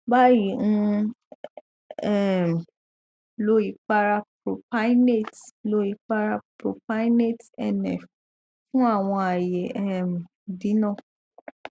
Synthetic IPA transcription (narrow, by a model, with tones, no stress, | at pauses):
ba˦ji˨ñ̩˦ | ɛ˦˨m˨ | lo˨˦i˨k͡pa˧ɾa˧pɾo˨pa˦ne˦˨tlo˧˦i˧˨k͡pa˦ɾa˦˧pɾo˨pa˦ne˦˨tɛ˦˨nɛ˨f | fũ˦a˦˨w̃ɔ̃˧a˨je˨ɛ˦˨m˨ | dĩ˨˦nã˦˨